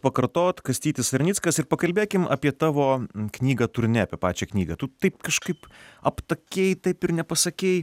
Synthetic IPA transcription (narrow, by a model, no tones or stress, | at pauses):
pɐkɐɾt̪oːt̪kɐsʲt̪ʲiːt̪ʲɪsɐɾʲnʲit̪skɐsɪɾpɐkɐlʲbʲeːkʲɪmʔɐ̰pʲiɛt̪ɑːʋoːknʲiːɡɐt̪ʊɾʲnʲɛɐpʲeɛːpɑːt͡ʃʲɛːknʲiːɡɐt̪ʊt̪ɐɪp̚kɐʃkɐɪpɐpt̪ɐkʲeːjt̪ɐɪpɪɾnʲɛpɐsɐkʲeːj